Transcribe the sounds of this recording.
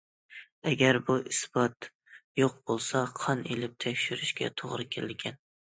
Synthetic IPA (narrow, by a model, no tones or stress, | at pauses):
æɡʲæɾbuʔisb̥ɑt̪ | joq̚b̥olˠsɑqʰɒnelɪp̚t̪ʰækʲʃyɾɪʃkʲa̰t̪ʰoʁɾɨkʲʰelɪlɡʲɛn